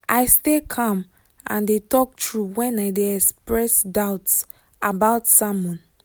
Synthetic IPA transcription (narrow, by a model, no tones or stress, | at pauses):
ʔaɪstekʰɔ̃m | ʔã̰ndetʰɔk̚tɹuwɛ̃naɪdeɛkspɹɛsdaʊts | abaʊtsamɔ̃n